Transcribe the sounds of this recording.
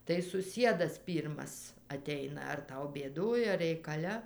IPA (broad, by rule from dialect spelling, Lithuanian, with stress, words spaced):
tɐɪ sʊˈsʲiɛdɐs ˈpʲiːrmɐs ɐˈtʲɛɪnɐ ɐr ˈtɐʊ bʲeːˈdoːj ɐr rʲɛɪkɐˈlʲɛ